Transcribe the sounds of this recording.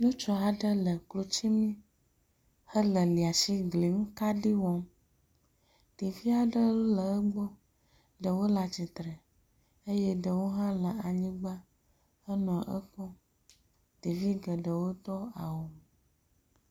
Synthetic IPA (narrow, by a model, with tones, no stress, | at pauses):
nũ˦t͡ʃɔ˦a˨ɖə˦lə˨klo˨t͡ʃi˦mĩ˦ | hə˦lə˨li˨a˨si˦ɡli˨˦m˦ka˦ɖi˦wɔ˦m | ɖ̥i˨vi˦a˨ɖə˦lo˦lə˨ə˦ɡ͡bɔ˦ | ɖə˨wo˦la˨t͡ɕi˨t̪ɾɛ˨ | e˦jɛ˦ɖə˨wo˦ɦã˦lə˨a˨ɲĩ˦ɡ͡ba˦ | ə˦nɔ̃˨ʔə̰˦kɔ˦ | d̥i˨vi˦ɡə˨ɖə˨wo˦t̪ɔ˦a˨wo˨m˨